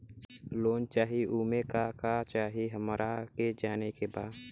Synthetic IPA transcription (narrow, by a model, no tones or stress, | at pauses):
loːnt͡ʃaːɦiʔuːmẽkakat͡ʃaːɦiɦəmɾʔaked͡ʒaːnekebaːd̪